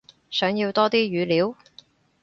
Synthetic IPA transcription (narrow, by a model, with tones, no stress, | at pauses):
sœː˨˧˥ŋji˧wt̪ɔː˥t̪iː˥ɥyː˨˧liː˨˥w